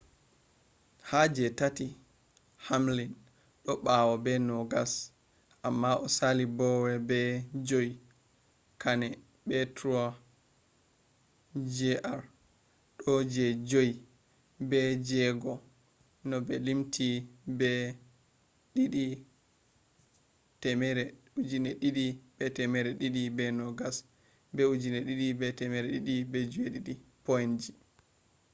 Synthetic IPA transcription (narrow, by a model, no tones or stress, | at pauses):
had͡ʒɛtati | hamlin | ɗɔɓawɔbɛnɔɡas | ʔamːaʔɔsalibɔwɛbɛd͡ʒoj | kʰanɛ | bɛtʰɾu | d͡ʒɛʔaɾ | ɗɔd͡ʒɛd͡ʒoj | bɛd͡ʒɛɡɔ | nɔbɛlimtʰibɛ | ɗiɗi | tɛmɛɾɛ | ud͡ʒinɛɗiɗibɛtɛmɛɾɛɗiɗibɛnɔɡas | bɛud͡ʒinɛɗiɗibɛtɛmɛɾɛɗiɗibɛd͡ʒueɗiɗipojnd͡ʒi